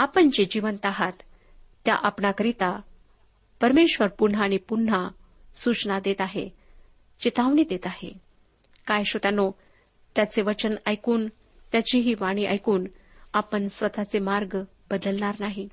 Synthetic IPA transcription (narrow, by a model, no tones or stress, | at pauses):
apəɳd͡ʑed͡ʑiʋənt̪aɦat̪ː | ja̰ʔapnakəɾit̪a | pəɾmeɕʋəɾpun̤aːɽ̃ipun̤ːa | sut͡snad̪et̪aɦḛ | d͡ʑet̪aʋɳiːd̪et̪aɦḛ | kajɕot̪ano | t̪jat͡seʋət͡ɕənajkuːn | t̪jat͡ɕiɦiːʋaɽ̃iʔa̰jkuːn | apəɳsʋət̪at͡semaɾɡ | bəd̪əlnaɾnaɦi